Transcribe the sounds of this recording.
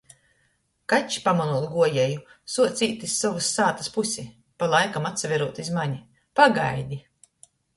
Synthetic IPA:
kat͡ʃpamaluɔlˠɡuɔjɛjusuɔt̪sʲiːt̪isːɔvusːaːt̪ɐ̥spusʲi | palˠajkamat̪savʲɛɾuɔt̪izmaɲi | paɡa̰jd̪ʲi

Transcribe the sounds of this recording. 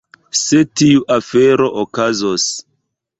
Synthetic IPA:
se̞tiuʔafe̞ɾo̞ʔokazos

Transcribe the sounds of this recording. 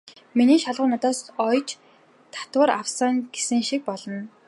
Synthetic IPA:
miniːʃaɮʁʊːnat̪ɔːsɔjt͡ɕ | t̪ʰḁt̪wə̆ɾaw̥saŋɡe̥sɘ̆ŋʃik̚pɔɮɞ̆n

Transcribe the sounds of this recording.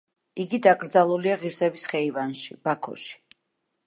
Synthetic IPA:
iɡid̪aɡɾd̪zalˠuliaʁiɾsɛbisχɛivanʃḭb̥akʰɔ̰ʃi̥

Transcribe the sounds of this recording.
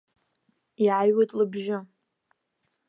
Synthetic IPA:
iʕajwatʼlɨbʒɪ

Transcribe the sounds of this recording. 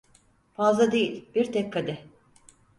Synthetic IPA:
fazlˠad̪e̞jilʲbiɾt̪ʰɛkkʰːad̪ɛ

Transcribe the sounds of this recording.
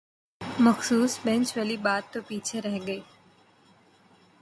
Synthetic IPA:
məxsuːsbɛ̃nt͡ʃʋəlibaːt̪ːopiːt͡ʃʰeɾəɦɡəeː

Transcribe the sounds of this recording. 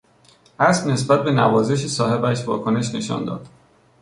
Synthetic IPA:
ʔæsbne̞sbæt̪̚be̞næ̰vɒːze̞ʃ̬esɒːhe̞bæʃvɒ̰ːkʰo̞ne̞ʃne̞ʃɒ̰ːnd̪ɒ̰ːd̪̥

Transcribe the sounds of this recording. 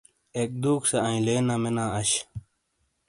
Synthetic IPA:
ek̚d̪uːksɐɐ̃ĩleːnamenaːɐɕ

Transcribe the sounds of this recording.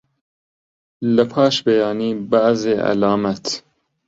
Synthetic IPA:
lɐpʰɑːʃbejaːniːbaʔzeːʔɐ̰laːmɐt̪

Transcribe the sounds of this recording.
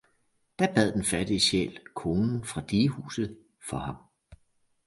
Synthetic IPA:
d̥æb̥æð̞̰ˠd̥enfæd̥iɕḛːlkʰo̝ːnn̩fʁɑ̈d̥iːhṵːsð̞̩ˠ | fɒ̽hɑ̈m

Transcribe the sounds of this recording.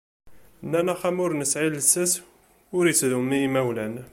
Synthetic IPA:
nːænæχæmʊɾnəsʕiləsːæs | ʊɾjət͡sːðumimæwlæn

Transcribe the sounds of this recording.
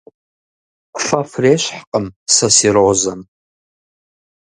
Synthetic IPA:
kʷʰfafreʃʷħqʼəmsasiɾozam

